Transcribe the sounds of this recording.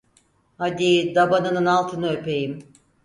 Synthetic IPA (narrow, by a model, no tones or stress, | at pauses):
had̪id̪abanɯnɯnalˠt̪ʰɯnɯø̞pʰe̞jim